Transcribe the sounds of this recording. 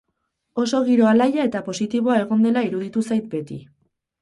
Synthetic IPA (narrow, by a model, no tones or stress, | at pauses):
o̞so̞ɣ̞iɾo̞alajae̞t̪apo̞sit̪iβ̞o̞ae̞ɣ̞o̞nd̪e̞laiɾuð̞it̪usajt̪̚be̞t̪ḭ